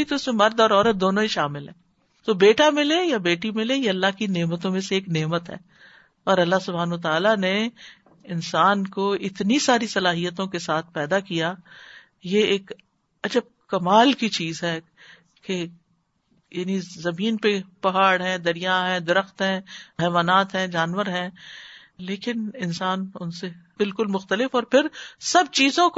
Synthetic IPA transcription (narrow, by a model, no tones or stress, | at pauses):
it̪oʊsmẽmɐɾd̪ɔːɾɔːɾət̪̚d̪oːnõɦiʃaːmɪlɦɛ̃ː | t̪oːbeːʈamɪlejabeːʈimɪlejeɐlːaɦkineːmət̪õmẽseeːkneːmət̪ɦɛ̰ː | ɔːɾɐlːaɦsʊbʱaːnʋət̪aːlane | ɪnsaːnkoɪt̪nisaːɾisɐlaːɦijət̪õkesaːt̪ʰpɛːd̪akija | jeeːk | ɐd͡ʒəb̚kɐmaːlkit͡ʃiːzɦɛ | ke | jaːnizɐmĩːnpepɐɦaːɽɦɛ̃d̪ɐɾijaɦɛ̃ːd̪ɪɾəxt̪ɦɛ̃ːɦɛːʋaːnaːt̪ɦɛ̃ːd͡ʒaːnʋəɾɦɛ̃ | leːkɪnɪnsaːnʊnse | b̥ɪlkʊlmʊxt̪əlɪfɔːɾpʰɪɾsɐb̚t͡ʃiːzõk